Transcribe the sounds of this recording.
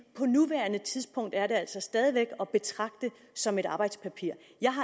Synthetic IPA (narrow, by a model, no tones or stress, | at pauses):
pʰɒ̽nuʋæɐnət͡sʰið̞ˠsb̥ʰɔ̽ŋ̰d̥æɐɾe̝æl̰sɒ̽sd̥ɛːð̞ˠiʋeɡ̥ɒ̽b̥e̝t͡sʰʁɑ̈ɡ̥̚d̥ə | sɒ̽me̝ɾɑ̈ːb̥ɑ̈ɪd̥spʰæpʰiɐ̰ | jɑ̈ɪɦɑ̈